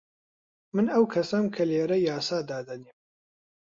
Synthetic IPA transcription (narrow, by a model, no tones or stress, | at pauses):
mɨnɐwkʰɐsɐmkʰɐleːɾɐjaːsaːd̪aːd̪ɐniːm